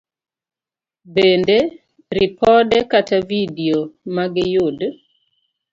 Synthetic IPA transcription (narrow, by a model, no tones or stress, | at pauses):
bende | ɾipɔdɛkatavidiomaɡɪjʊd